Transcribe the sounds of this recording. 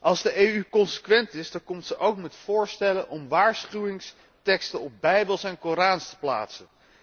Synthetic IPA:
ʔɑlˠzdəʔejykɔnsə̥kʋɛntɪsdɑŋkɔmtsəʔowkmɛtfʊːɹstɛlənʔɔmʋaːɹsχywɪŋs | tɛkstənɔp̚bɛjbəlˠsɛnkoːɾaːnstə̥pla̰ːtsən

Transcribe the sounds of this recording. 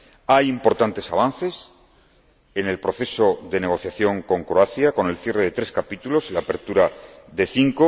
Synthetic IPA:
ajimpo̞ɾt̪ant̪e̞saβ̞anθe̞s | e̞ne̞lpɾo̞θe̞so̞ðe̞ne̞ɣ̞o̞θjaθjo̞ŋko̞ŋkɾoaθjako̞ne̞lθje̞re̞ðe̞t̪ɾe̞skapit̪ulo̞silaːpe̞ɾt̪uɾaðe̞θiŋko

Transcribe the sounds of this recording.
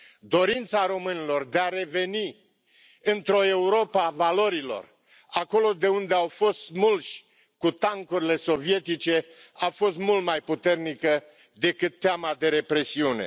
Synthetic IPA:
d̪o̞ɾint̪saɾo̞mɨnilo̞rd̪eaɾe̞ve̞ni | ɨnt̪ɾo̞e̞uɾo̞pavalo̞ɾilo̞̰r | ako̞lo̞d̪e̞und̪e̞awfo̞st̪mulʃʲ | kut̪aŋkuɾile̞so̞vie̞t̪it͡ʃe̞ | afo̞st̪mult̪majput̪e̞rnikə | d̪e̞kɨt̪ːeamad̪e̞ɾe̞pɾe̞siune̞̰

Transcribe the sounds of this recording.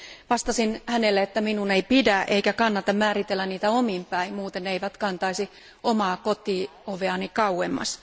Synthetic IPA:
ʋɑst̪ɑsinhænelːeet̪ːæminuneipidæʔḛikækɑnːɑt̪ɑmmæːɾit̪elːænniːt̪æomimpæimuːt̪enneiʋæt̪kɑnt̪ɑisi | omɑːkot̪iːoʋeɑnikɑuemːɑ̰s

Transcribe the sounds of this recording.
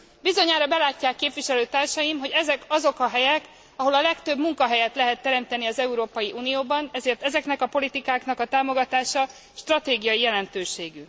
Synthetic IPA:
bizo̞ɲaːɾɒbɛlaːcːaːkːeːpvʋiʃɛløːt̪aːrʃɒjimɦo̞ɟɛzɛkɒzo̞kɒɦɛjɛk | ɒɦo̞lɒlɛkt̪ø̞bmuŋkɒɦɛjɛt̪lɛɦɛt̪ːɛɾɛmt̪ɛniɒzɛuɾoːpɒjiʔuːnijoːbɒnɛzeːrt̪ɛzɛknɛkɒpo̞lit̪ikaːknɒkɒt̪aːmo̞ɡɒt̪aːʃɒ | ʃt̪rɒt̪eːɡijɒjijɛlɛnt̪øːʃeːɡy

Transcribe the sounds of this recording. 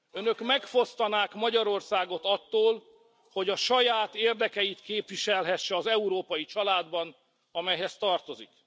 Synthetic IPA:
ønø̞kmɛkfo̞st̪ɒnaːkmɒɟɒɾo̞rsaːɡo̞t̪ɒt̪ːoːl | ho̞ɟɒʃɒjaːt̪eːrd̪ɛkɛjit̪keːpʋiʃɛlɦɛʃːɛɒzɛuɾoːpɒjit͡ʃɒlaːd̪bɒn | ɒmɛjɦɛst̪ɒrt̪o̞zik

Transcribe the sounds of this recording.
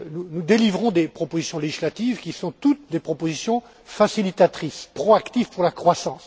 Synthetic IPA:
nunud̪elivʁɔ̃d̪epχɔpozisjɔ̃leʒislat̪ivkʲisɔ̃t̪ut̪̚d̪epχɔpozisjɔ̃ | fasilit̪at̪χispχɔakt̪ivpuʁlakχwasɑ̃ːs

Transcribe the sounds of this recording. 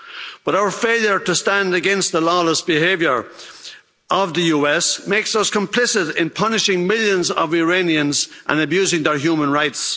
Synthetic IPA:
b̥ʌɾaʊə˞feɪlˠjə˞ɾəstãndəɡɛ̃nst̪̚ðəlɔləsb̥ɪɦevjə˞ | ʔəvðəjuɛsmeɪksʌskə̃mpʰl̥ɪsɪɾɪ̃npʰʌnɪʃɪ̃ŋmɪlˠjə̃nzə̰vɪɹẽniə̃nzʔə̰̃nəbjʉzɪ̃ŋðə˞ɦjʉmə̃nɹaɪts

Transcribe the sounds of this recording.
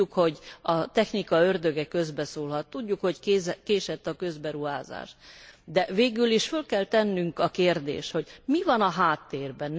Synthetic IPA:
ukho̞ɟɒt̪ɛxnikɒørd̪øɡɛkø̞zbɛsoːlɦɒt̪ːuɟːukho̞ckːzkeːʃɛt̪ːɒkø̞zbɛɾuɦa̰ːza̰ːʃt̪d̪ɛveːɡyliʃfølkɛlt̪ɛnːyŋkɒkeːrd̪ḛːʃho̞ɟmivɒnɒɦaːt̪ːeːrbɛn

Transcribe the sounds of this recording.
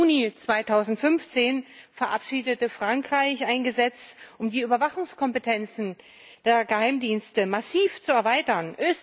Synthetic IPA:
uːnit͡sv̥aɪtʰaʊzn̩tfʏnft͡seːnfɛɐʔapʃiːdətəfʁ̥aŋkʁ̥aɪçaɪnɡəzɛt͡sʔʊmdiːyːbɐvaχʊŋskʰɔmpətʰɛnt͡sn̩ | d̥eːɐɡəhaɪmdiːnstəmasiːft͡suɛɐvaɪtɐnʔøːs

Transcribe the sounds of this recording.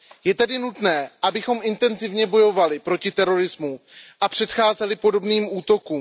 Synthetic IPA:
jɛt̪ɛdɪnut̪nɛːʔabɪxo̞mɪnt̪ɛnzɪvɲɛbo̞jo̞valɪpɾo̞cɪt̪ɛɾo̞ɾɪzmuʔapr̝̥ɛt̪xaːzɛlɪpo̞do̞bniːmʔuːt̪o̞kuːm

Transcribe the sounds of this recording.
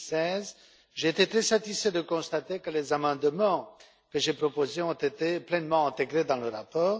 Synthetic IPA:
sɛz | ʒeːt̪et̪χɛsat̪isfɛd̪əkɔ̃st̪at̪ekəlezamɑ̃d̪mɑ̃ | kəʒepχɔpozeɔ̃t̪et̪eplɛnmɑ̃ɛ̃t̪eɡʁed̪ɑ̃ləʁapɔːʁ

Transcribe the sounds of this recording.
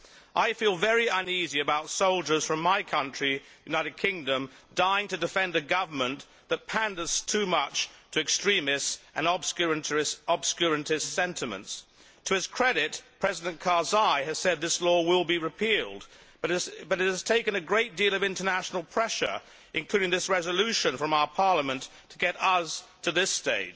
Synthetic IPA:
ʔaɪfilˠvɛɹiʌ̃niziɨbaʊtsoʊlˠd͡ʒə˞z̥fɹʌ̃maɪkʰʌ̃nt͡ʃɹ̥ijʉnaɪɾɨd̚kʰɪ̃ŋdɨ̃mdaɪɪ̃ŋtɨdɨfɛ̃ndɨɡʌvə˞mə̃n | ðət̚pʰæ̃ndəz̥tʰʉmʌt͡ʃtʰɨɨkstɹ̥ĩmɨsʔɨ̃nɑb̥sk | ɑb̥skjəɹɨ̃tɨssɛ̃ntʰɨmɨ̰̃nts | tʰɨɨz̥kʰɹ̥ɛɾɪt̚pʰɹ̥ɛzɨɾɨ̃nkʰɑɹzaɪɨz̥sɛd̪̚ðɪslɔwɪlˠbiɹɨpʰilˠd | b̥ʌɾɨbʌɾɨt̚hɨz̥tʰeɪkɨ̃nɨɡɹeɪt̚d̥ilˠʌvɪ̃ntə˞næʃn̩l̩ˠpʰɹ̥ɛʃə̰˞ | ʔɨ̃nkʰl̥ʉɾɪ̃ŋðɪsɹɛzəlʉʃɨ̃nfɹʌ̃maʊə˞pʰɑɹləmɨ̃nttʰəɡɛɾʌz̥tʰɨðɪsteɪd

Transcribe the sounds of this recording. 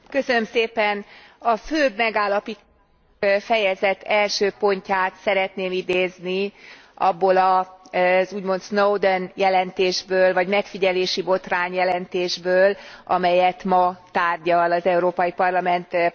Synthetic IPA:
kø̞sønø̞mseːpɛnɒføːbmɛɡaːlːɒpit̪ | fɛjɛzɛt̪ʰːɛlʃøːpo̞ɲcaːt̪sɛɾɛt̪neːmid̪eːzni | ɒ̰bːolɒ | zuːɟmo̞nt̪snowd̪ønjɛlɛnt̪eːʒbøːlvɒɟmɛkfiɟɛleːʃibo̞t̪raːɲjɛlɛnt̪eːʒbøːlɒ̰mɛjɛt̪mɒt̪aːrɟɒlɒzɛuɾoːpɒjipɒrlɒmɛnt̪

